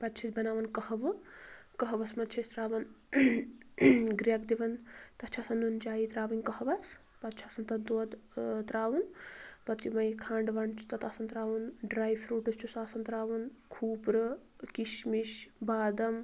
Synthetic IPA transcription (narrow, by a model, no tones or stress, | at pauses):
pɐt̪t͡ʃʰit̪bɐnaːʋɐnkɐɦɐʋɨkɐɦɐʋɐsmɐt̪̚t͡ʃʰɐsʲt̪ɾaːʋɐn | ɡɾijɐkd̪iʋɐnt̪ɐt͡ʃʰaːsɐnːunt͡ʃaːjit̪ɾaːʋɐnʲkɐhɐʋɐs | pɐt̪̚t͡ʃʰaːsɐnt̪ɐnt̪uɐd̪t̪ɾaːʋɐnpɐt̪jumɐjkʰaːɳɖʋɐnt͡ʃʰu̥t̪ɐt̪aːsɐnt̪ɾaːʋɐnɖɾaːjfɾuːʈɐst͡ʃʰusaːsɐnt̪ɾaːʋɐnkʰuːpɾɨ | kiʃmiʃbaːd̪ɐm